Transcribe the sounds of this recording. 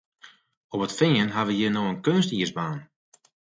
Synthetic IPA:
opətfɪːənɦaʋəjənoənkønstiəsbaːn

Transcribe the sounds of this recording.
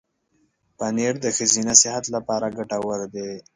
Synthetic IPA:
paneɽd̪əxəzinasɪhat̪lapɑɾaɡaʈawəɾd̪e

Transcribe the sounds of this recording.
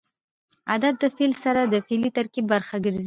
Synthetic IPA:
a̰d̪at̪̚ːəfilsaɾad̪əfelit̪aɾkibːaɾxaɡəɾzi

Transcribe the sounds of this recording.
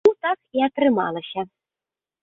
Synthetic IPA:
ut̪ɑkiat̪rɨmɑ̰lˠɤ̆ɕɐ

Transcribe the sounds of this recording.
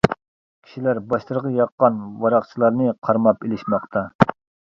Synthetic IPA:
kʲʰi̥ʃilæɾbɑʃt̪ɨɾʁɑjɑqːɑnwɑɾɑχt͡ʃʰilˠɑɾnɨqʰɑɾmɑpelɪʃmɑqt̪ʰɑ

